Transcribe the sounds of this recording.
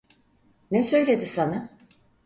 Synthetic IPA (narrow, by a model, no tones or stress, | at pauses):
nɛsø̞jlʲed̪isana